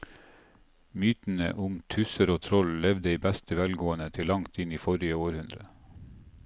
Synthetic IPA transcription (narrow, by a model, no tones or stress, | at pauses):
myːt̪n̩ə̰ʔʊmt̪ʰʉsəɾoːt̪ʰɾɔllɛʋd̪əiːbæst̪əʋælɡoːənət̪ʰɪlːɑŋt̪ɪniːfɔɾɪəoːɾhʉnd̪ɾə